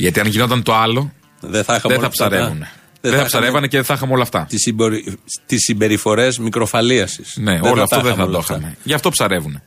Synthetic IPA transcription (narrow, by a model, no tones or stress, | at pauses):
ʝɐt̪iɐnʝino̞t̪ɐnt̪o̞ɐlo̞ | ðeθɐxɐðeθɐpsɐɾevune | eθɐpsɐɾe̞vɐneceðeθɐxɐmeo̞lɐft̪ɐt̪siboɾit̪isːibe̞ɾifo̞ɾe̞zmikɾo̞fɐliɐsi̥sne̞ooloɐft̪oðeθɐðd̪oxɐme̞ʝɐft̪o̞psɐɾe̞vune̞